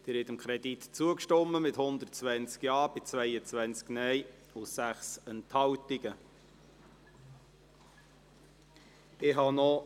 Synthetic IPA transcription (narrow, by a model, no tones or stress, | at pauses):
d̥ɪːɾhɛt̪əmkʰɾɛd̥̪it̪t͡suəkʃtɔmːəmɪthʊnd̪ərtt͡svænt͡skjɑːb̥ɪt͡svɛɪət͡svænt͡sknɛɪ | ʊsæχsənthɑwtɪɡə | ɪɦɑnɔ